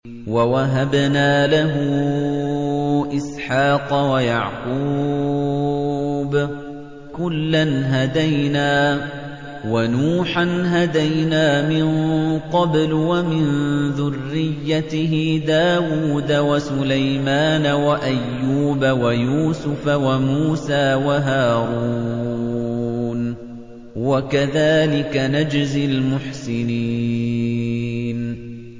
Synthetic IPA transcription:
wawaɦabnaːlaɦʊ | ʔɪsħɑːqɑwaja̰ʕquː | b | kʊlːanɦad̪ajnaː | wanuːħanɦad̪ajnaːmɪnqɑblwamɪnðʊrːɪjːat̪ɪɦɪd̪aːwuːd̪awasʊlajmaːnawaʔajːuːbawajuːsʊfawamuːsaːwaɦaːɾuː | n | wakaðaːlɪkanad͡ʒzɪlmʊħsɪniː | n

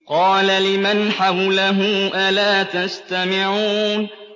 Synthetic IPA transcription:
qɑːlalɪmanħawlaɦʊʔalaːt̪ast̪amɪʕuːn

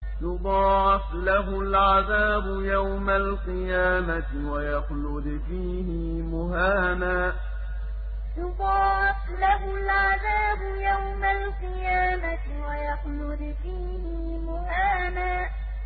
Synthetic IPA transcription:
jʊd̪ˤɑːʕɪslaɦʊlʕaðaːbʊjawmalqɨjaːma | ɪwajɑxlʊd̪fiːhɪ | mʊɦaːnaː | jʊd̪ˤɑːʕɪf | laɦʊlʕaðaːbʊjawmalqɨjaːma | wajɑxlʊd̪fiːhɪ | mʊhaːnaː

